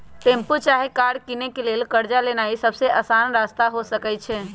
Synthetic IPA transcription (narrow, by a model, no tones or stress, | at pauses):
t̪ẽmput͡ʃaɦekaɽkinekelelkəɾd͡ʒalenaisəbseʔəsanɾast̪aɦosəkɛt͡ʃʰɛ